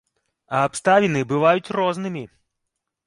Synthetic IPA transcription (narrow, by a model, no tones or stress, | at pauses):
ɐːpst̪avʲinɨbɨvajut͡sʲrɔznɨmʲi